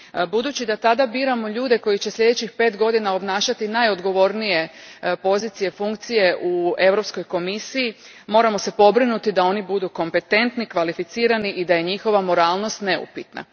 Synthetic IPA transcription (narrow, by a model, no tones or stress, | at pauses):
bud̪uːt͡ɕid̪at̪ad̪abiːɾamo̞ʎuːd̪e̞ko̞jit͡ɕeslʎʲe̞d̪et͡ɕixpe̞ːt̪ɡo̞d̪inao̞bnaːʃat̪inajo̞d̪ɡo̞ʋo̞ɾnije̞po̞ziːt̪sije̞fuŋkt̪sije̞ʔue̞ʋɾo̞psko̞jko̞misiji | mo̞ːɾamo̞se̞po̞bɾinut̪id̪ao̞nibud̪uko̞mpe̞t̪e̞nt̪nikʋalifit̪siːɾaniʔid̪aje̞ɲixo̞ʋamo̞ɾaːlˠno̞st̪ne̞ṵpit̪na̰